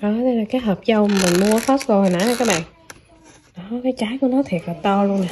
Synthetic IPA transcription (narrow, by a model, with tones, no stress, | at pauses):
ʔɔ˨˦t̪ʰe˧laː˨˩kaː˨˦jɦəː˨˩p̚zə˧wmaː˨˩mï˨˩ŋ̟mu˧əxa˦˥t̚zo˨˩ha˨˩jna˨˦jaː˨˩kaː˨˦˥k̚ɓa̰ː˧˨n | ɗɔ˨˦kaː˨˦jt͡ɕaː˨˦jku˧˩ənɔ˨˦t̪ʰi˨˩k̚ləː˨˩t̪ɔ˧lu˧ənːa˨˩